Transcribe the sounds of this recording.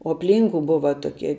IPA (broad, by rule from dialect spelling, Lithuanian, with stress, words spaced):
oː ɐpʲˈlʲiːŋkʊ ˈbʊʋɐ toːˈkʲiɛ